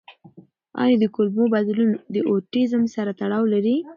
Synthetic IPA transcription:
ɑ̰jɑd̪əkʊlmobad̪lunod̪əʔoʈizəmsaɾat̪aɽɑwlaɾi

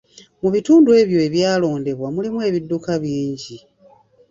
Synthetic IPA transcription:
muβituːndue̞βjo̞eβjaːlo̞ːnde̞βwamulimue̞ːβidːukaβjiːɲɟi

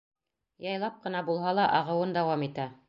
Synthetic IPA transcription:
jɑjlˠɑp̚qɤ̆nɑbulˠɦɑlˠɑʔɑʁɤ̆wɤnd̪ɑwɑmit̪æ

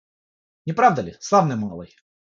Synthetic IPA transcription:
nʲɪpɾavd̪əlʲɪslˠavnɨjmalˠə̰j

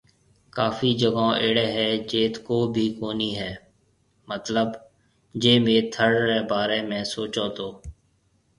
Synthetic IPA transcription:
kaːfiːd͡ʒəɡãːʔeːɽeːɦɛːd͡ʒeːt̪koːbʱiːkoːniːɦɛː | mət̪ləb | d͡ʒeːmeːt̪ʰəɽːɛːbaːɾeːmɛ̃ːsoːt͡ʃaːt̪oː

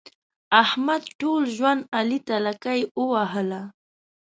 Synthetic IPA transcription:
ahmad̪ʈuːlʒwanalɪt̪alakajʊwaɦala

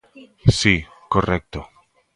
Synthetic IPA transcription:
si | korek̚t̪o

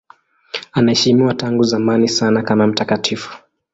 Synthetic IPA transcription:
anahɛʃimiwataŋɡuzamanisanakamam̩takatʰifu̥

